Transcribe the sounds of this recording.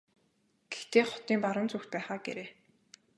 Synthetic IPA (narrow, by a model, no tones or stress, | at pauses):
ɡ̥ext̪eːχʊ̥t̪iːmpaɾə̆nt͡suxt̪̚pæːχaːɡḛɾeː